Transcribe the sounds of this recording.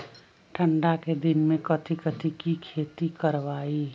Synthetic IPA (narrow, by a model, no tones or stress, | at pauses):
ʈʰəɳɖaked̪inmẽkət̪ʰikət̪ʰikikʰet̪ikəɾʋaːi